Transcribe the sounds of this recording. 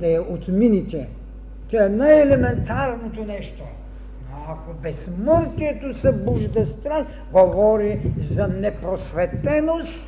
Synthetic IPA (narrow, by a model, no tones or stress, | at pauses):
d̪ɐɛʔot̪minit̪ʲɛ | t̪ɛɛnajɛlɛmɛnt̪aɾnot̪onɛʃt̪o | noakobɛsmɔɾk̪iɛt̪osɛbuʒd̪ɐst̪ɾan | ɡovɔɾizɐnɛpɾosvɛt̪ɛnost̪